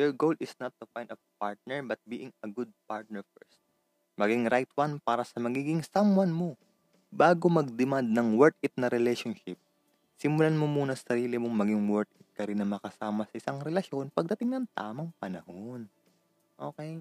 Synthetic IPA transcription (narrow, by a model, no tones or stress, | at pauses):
jɛɹɡowlɪsnɐt̪ːufaj̃nɐpaɹt̪̚nɛɹbɐt̪̚biːʔɪŋɐɡud̪̚paɹt̪̚nɛɹfɛ̰ɹst̪̚ | mɐɡiŋɾajt̪wanpaːɾɐsɐmɐɡiːɡɪŋsɐmwanmo̞ | baːɡomɐɡ̚d̪ɪmand̪̚nɐŋwɛɹt̪̚ɪt̪̚nɐɾɛlɛjʃonʃɪp̚ | sɪmʊlanmomuːnɐsɐɾiːlɪmoŋmɐɡɪŋwɛɹt̪̚ɪt̪̚kɐɾɪnːɐŋmɐkɐsaːmɐsɐʔɪsaŋɾɛlɐʃo̞npɐɡ̚d̪ɐt̪ɪŋnɐŋt̪a̰ːmɐŋpɐnɐhon | ʔo̞̰ːkɛj